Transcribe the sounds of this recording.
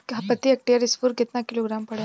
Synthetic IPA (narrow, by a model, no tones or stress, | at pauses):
ɦapət̪iek̚ʈiaɾisfuːɾɡʱet̪nakiloɡɾampəɽj